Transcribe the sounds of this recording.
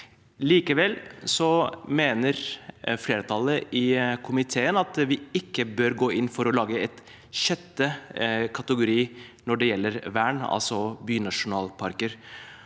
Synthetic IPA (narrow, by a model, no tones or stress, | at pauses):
liːkəʋɛlsɔmeːnəɾfleːɾət̪ʰɑləʔɪkʰʊmɪt̪ʰeːənɑt̪ʋɪɪkːəbøːɾɡoːɪnːfɔɾɔlɑːɡəɛt̪ | ɕɛt̪ːəkʰɑt̪əɡʊɾiːnɔɖɛjɛlːəɾʋæːɳɑ̰lsɔbyːnɑʂʊnɑːlpʰɑɾkəɾ